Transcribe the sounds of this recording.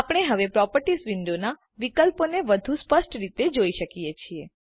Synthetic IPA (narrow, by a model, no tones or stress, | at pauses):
apɽ̃eɦəʋepɾɔpəɾʈisʋɪɳɖona | ʋikəlponeʋəd̪ʱũspəsʈɾit̪ed͡ʒoiʃəkijet͡ʃʰie